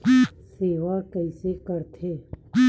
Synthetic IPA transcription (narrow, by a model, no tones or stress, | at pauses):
seːʋakəɪsekəɾt̪ʰeː